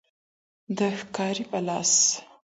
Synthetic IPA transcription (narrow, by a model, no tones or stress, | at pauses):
d̪əxkɑɾipəlɑ̰s